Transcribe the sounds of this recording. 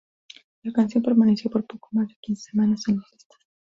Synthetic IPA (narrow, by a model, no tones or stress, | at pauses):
lakansjo̞mpe̞ɾmanesjo̞po̞ɾpo̞komazðekinse̥semanasenlosist̪ḁs